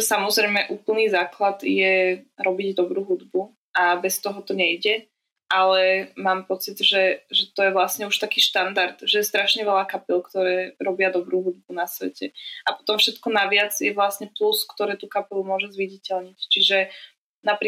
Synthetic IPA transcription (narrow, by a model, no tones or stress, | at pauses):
samɔzɾɛjmɛʔuːpl̩ˠniːzaːklad̪jɛɾɔbiɟd̪ɔbɾuːɦud̪bu | abɛst̪ɔɦɔt̪ɔɲɛjɟɛ | ʔalɛmaːmpɔt͡sid̪ʒɛʒɛt̪ɔjɛʋlasɲɛuʃt̪akiːʃt̪and̪aɾd̪ʒɛjɛst̪ɾaʃɲɛʋɛlaːkapilkt̪ɔɾɛːɾɔbɪad̪ɔbɾuːɦud̪̚bunasʋɛcɛapɔ̥t̪ɔmfʃɛt̪kɔnaʋɪad͡zjɛʋlasɲɛpluskt̪ɔɾɛːt̪ukapɛlumʊɔʒɛzʋiɟicɛlɲict͡ʃiʒɛ | napi